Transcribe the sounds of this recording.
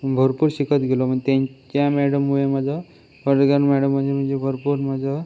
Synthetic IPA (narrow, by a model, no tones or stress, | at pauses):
bʱəɾpuɾɕikət̪ɡelɔm̤ənet̪ãɲt͡ɕjãmɛɽəmujeməd͡zə | ʋəɾɡanmɛɽəmːəd͡zem̤ənd͡zebʱəɾpuɾməd͡zə